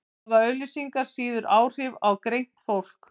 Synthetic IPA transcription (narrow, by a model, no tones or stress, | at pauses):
vaœːɥlʏsiŋkaɾ̥siːðʏɾʔaːwr̥ɪvawkɾejn̥t̪fowl̥k